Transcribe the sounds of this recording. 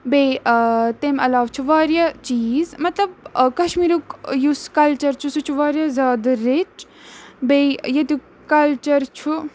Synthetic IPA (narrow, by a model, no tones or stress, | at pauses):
be | t̪emɐlaːʋt͡ʃʰuʋaːɾjat͡ʃiːzmɐt̪lɐb̚kɐʃmiːɾukjuskɐlt͡ʃɐɾt͡ʃʰusut͡ʃʰuʋaːɾjazʲaːd̪ɐɾet͡ʃ | bejjɐt̪u | kɐlt͡ʃɐɾt͡ʃʰu